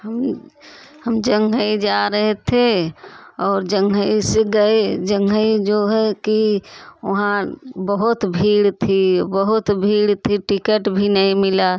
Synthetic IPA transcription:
ɦəm | həmd͡ʒəŋɡʱəid͡ʒaɾəɦɛt̪ʰe | ɔːɾd͡ʒəŋɡʱəiseɡəed͡ʒəŋɡʱəid͡ʒoɦɛkioɦãbəɦut̪bʱiɽt̪ʰibəɦut̪bʱiːɽt̪ʰiʈikəʈbʱinəɦĩmila

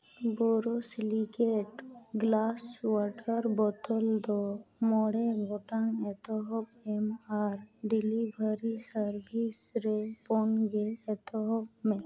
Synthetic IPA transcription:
boɾosliɡeʈɡlaːswɔɾʈəɾbɔʈ̪ʰəld̪omɔɽeɡʱoʈaŋet̪ʰɔɦɔpemaɾɖilibəɾisəɾbʱisɾeponɡeɛt̪ʰɔɦɔpmẽ

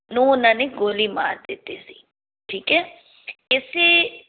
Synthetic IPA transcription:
nuːnaniɡoːlima̰ːɾd̪eːt̪esi | ʈʰiːkɛ | ɪsɪ

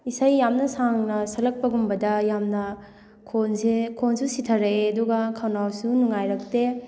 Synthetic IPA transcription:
isajːamnɐsaŋnɐsɐlɐk̚pɐɡumbɐdɐjamnɐ | kʰonsekʰonsʰusitʰɐɾɐeɐduɡɐkʰawnawsunuŋajɾɐk̚te

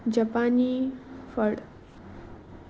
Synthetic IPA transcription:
d͡ʑapanifəɽ

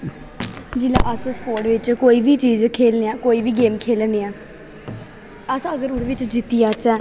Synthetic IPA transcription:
d͡ʒila̰ːʔəssə̥poːɾʈʋɪt͡ʃkoːiːʋiːt͡ʃiːzkʰeːlneãːkoːiːʋiːɡeːmkʰeːlneaː | əsəɡəɾʊɽʋɪt͡ʃd͡ʒɪt̪ijãːt͡ʃɛː

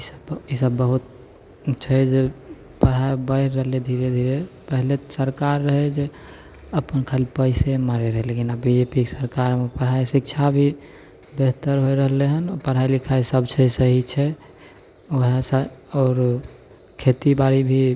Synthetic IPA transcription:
isəbisəbːəɦut̪̚ | t͡ʃʰɛd͡ʒe | pəɽ̤ɦaebəɪɾːəɦled̪ʱiɾed̪ʱiɾepəɦlet̪səɾkaɾːəɦɛd͡ʒe | əpənkʰalpəɪsemaɾeɾəɦelekinabbid͡ʒepiksəɾkaɾmepəɽ̤ɦaesik̚t͡ʃʰabʱi | beɦt̪əɾɦoeɾəɦleɦənɔpəɽ̤ɦajlikʰaesəbt͡ʃʰɛsəɦit͡ʃʰɛ | oɦesəɔːɾ | kʰet̪ibaɾibʱi

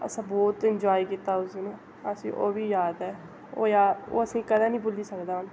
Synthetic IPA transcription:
ə̰sãːbɔːt̪ɪnd͡ʒaːiːkiːt̪aːʊsineː | əsĩːʔoːbiːjaːd̪ɛː | oːjaːdo̰ːəsĩːkəd̪aːnĩːbʊliːsəkd̪aːɦʊn

